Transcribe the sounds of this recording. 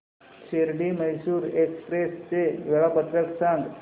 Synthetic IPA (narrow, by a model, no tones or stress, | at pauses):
t͡ɕeɾɖiːməjɕuːɾekspɾest͡seʋeɭapət̪ɾəksãŋɡ